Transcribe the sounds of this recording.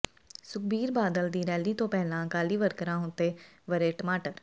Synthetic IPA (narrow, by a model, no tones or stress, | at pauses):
sʊk̚biːɾbaːd̪əld̪iːɾɛːliːt̪õːpɛɦlãːkaːliːʋəɾkəɾãːɦʊ̃ːt̪eːʋəɾeːʈəmaːʈəɾ